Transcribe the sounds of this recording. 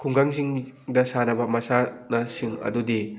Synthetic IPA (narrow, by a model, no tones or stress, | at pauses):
kʰuŋɡaŋziŋdɐsanɐbɐmɐsanɐsiŋɐ̰dudi